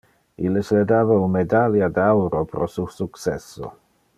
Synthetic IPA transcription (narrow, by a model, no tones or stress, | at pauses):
ilːesled̪aːvaunmed̪aljad̪awɾopɾʔosusuksɛsːo̰